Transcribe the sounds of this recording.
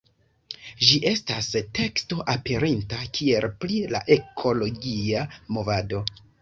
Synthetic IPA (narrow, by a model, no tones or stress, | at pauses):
ʒiʔe̞staste̞ksto̞ʔape̞ɾintakʰie̞lplila̰ʔe̞kʰo̞lo̞ɡiamo̞vado̞